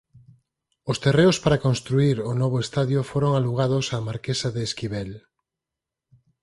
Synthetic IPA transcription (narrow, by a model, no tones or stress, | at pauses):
ost̪ereospaɾakonst̪ɾuiɾonɔβ̞oest̪aðjofoɾoŋaluɣ̞að̞osamaɾkesaðeːskiβel